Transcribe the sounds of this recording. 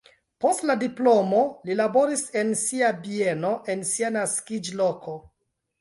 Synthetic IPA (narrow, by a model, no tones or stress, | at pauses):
po̞stladiplo̞mo̞lilabo̞ɾise̞nsiabie̞no̞ʔe̞nsianaskid͡ʒlo̞ko̞